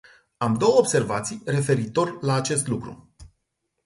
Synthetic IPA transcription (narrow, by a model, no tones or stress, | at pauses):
amd̪o̞wəobse̞rvat̪sijre̞fe̞ɾit̪o̞rʲlaːt͡ʃe̞st̪lukɾṵ